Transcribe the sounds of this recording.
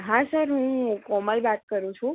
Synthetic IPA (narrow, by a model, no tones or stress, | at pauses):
ɦãsəɾɦũkɔməlbat̪̚kəɾũt͡ʃʰũ